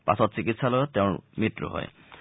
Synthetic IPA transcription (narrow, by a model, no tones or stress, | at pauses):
pa̰sɔtsikitsalɔjt̪eʊ̃mitɾṵɦɔ̰j